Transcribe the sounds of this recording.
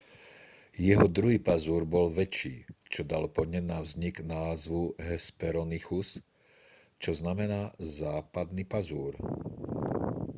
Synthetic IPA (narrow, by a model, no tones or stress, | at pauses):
jɛɦɔd̪ɾuɦiːpazuːɾbɔlʋɛt͡ʃḭːt͡ʃɔd̪alpɔd̪ɲɛnavzɲiɡnaːzʋuɦɛspɛɾɔnixus | t͡ʃɔznamɛnaːzaːpad̪nipazuːɾ